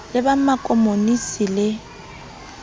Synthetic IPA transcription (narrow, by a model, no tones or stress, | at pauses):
lɪbamakʼɔmonisilɪ